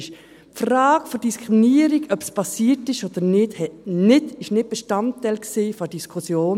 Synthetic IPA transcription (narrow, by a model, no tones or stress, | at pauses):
ʃ | pfraːɡ̥fɔd̥iskʰʁɾiminiːəɾiɡœpspʰɑsiːətɪʃod̥̪əɾnɪdhɛnɪtɪʃnɪt̚b̥ɛʃtɑntːɛɪlksiːfɔd̥iskʰusjoːn